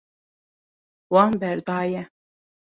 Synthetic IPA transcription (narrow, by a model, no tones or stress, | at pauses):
wɑnbɛɾd̪ɑːjɛ